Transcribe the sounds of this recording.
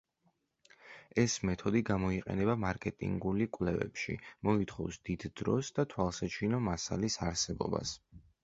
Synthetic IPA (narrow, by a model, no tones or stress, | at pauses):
ɛsmɛt̪ʰɔd̪iɡamɔiqʼɛ̰nɛbamaɾkʼɛt̪ʼḭŋɡulikʼwlɛvɛ̰pʃḭmɔit̪ʰχɔfsd̪̥id̪d̪̥ɾɔ̰sd̪at̪ʰwalˠsat͡ʃʰinɔmasalisaɾsɛbɔ̰ba̰s